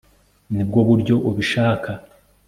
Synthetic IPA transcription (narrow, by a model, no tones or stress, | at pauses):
nib̚ɡo̞βuɾɟo̞ʔuβiʃaːkʰa